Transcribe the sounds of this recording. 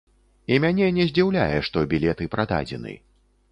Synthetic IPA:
imʲanʲɛnʲɛzʲd͡zʲiwlʲa̰jɛʂt̪ɔbʲilʲɛt̪ɨpɾad̪a̰d͡zʲɛnɨ̰

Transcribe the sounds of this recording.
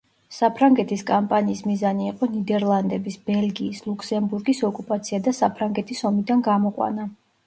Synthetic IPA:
sapʰɾaŋɡɛt̪ʰiskʼampʼaniːsmizaniːqʼɔnid̪ɛɾlˠand̪ɛbisb̥ɛlɡiːslˠukʰsɛmbuɾɡisɔkʼupʼat̪sʰiad̪asapʰɾaŋɡɛt̪ʰisɔmid̪anɡamɔqʼwa̰na

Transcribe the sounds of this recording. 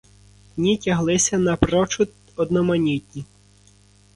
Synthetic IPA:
nʲitʲɐɦlˠɪsʲɐnɐpɾɔt͡ʃʊt̪̚ | ɔd̪nɔmɐnʲitʲnʲi

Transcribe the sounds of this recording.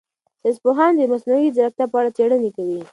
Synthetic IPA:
sɪspoɦɑnd̪əmasnuwid͡zak̚t̪apəaɽat͡seɽənekawi

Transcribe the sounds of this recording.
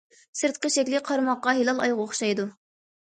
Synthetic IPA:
sɨɾt̪̚qəʃɛkʲlɪqʰɑɾmɑχqːɑɦelˠɑlˠɑjʁʊoχʃɑjd̪u

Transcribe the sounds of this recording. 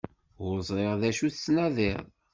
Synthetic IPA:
ʊɾzˤeʁðæʃuθt͡sːnæðɪʁ

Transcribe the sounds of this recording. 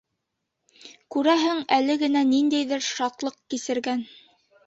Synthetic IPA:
kʉɾæɦɘŋælɘɡɘ̆nænind̪æjðɘɾʃɑt̪lˠɤq̚kisɘ̆ɾɡæn

